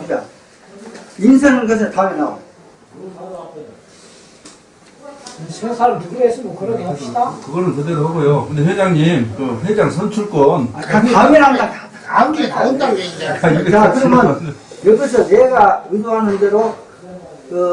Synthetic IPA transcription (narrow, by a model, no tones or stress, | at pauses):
ida | insʰeŋɯnɡʌs̬ʰɯtaminao̰ | ɕʰiɡansʰaɾʌmnuɡiesʰimokɯɾʌdeɡoidakɯɡʌɾɯntɯdeɾoɦaɡojokɯnd̪eɸwed͡ʑaŋɲimkɯɸwed͡ʑaŋsʰʌnt͡ɕʰuɭk͈ʌnakʰaamiɾandaa | aŋɡitaɯntaɾoedaaiɡeakɯɾʌmjʌnjʌɡis̬ʰʌneɡaɯdoɦanɯnde̞ɾo | kɯ